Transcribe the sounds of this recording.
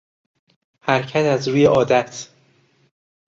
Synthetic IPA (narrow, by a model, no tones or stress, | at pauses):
hæɾcʰæt̪æzɾuːje̞ʔɒːd̪æt̪ʰ